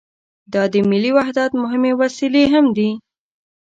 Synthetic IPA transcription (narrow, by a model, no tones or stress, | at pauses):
d̪ɑd̪əmɪliwaɦd̪at̪mʊɦɪmewasileɦamd̪i